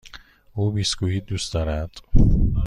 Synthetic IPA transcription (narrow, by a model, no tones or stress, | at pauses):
uːbiːsɡuːhiːd̪uːst̪d̪ɒːɾæd̪̥